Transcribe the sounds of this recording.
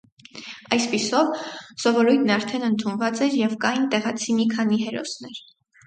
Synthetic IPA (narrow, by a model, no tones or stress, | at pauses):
ɑjspisɔvsɔvɔɾujt̪ʰnɑɾt̪ʰɛnənt̪ʰunvɑt͡sɛɾjɛvkɑjint̪ɛʁɑt͡sʰimikʰɑniɦɛɾɔ̰snɛɾ